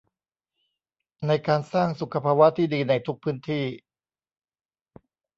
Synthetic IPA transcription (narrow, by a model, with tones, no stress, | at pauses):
na˧jkaː˧nsaː˥˩ŋsu˨˩kʰa˧pʰaː˧wa˦˥t̪ʰiː˥˩diː˧na˧jt̪ʰu˦˥k̚pʰɯː˦˥nt̪ʰiː˥˩